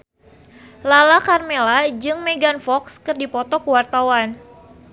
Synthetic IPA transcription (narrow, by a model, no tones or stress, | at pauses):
lalakarmelad͡ʒɨŋmeɡanfɔkskɨrdipɔt̪ɔkəwart̪awan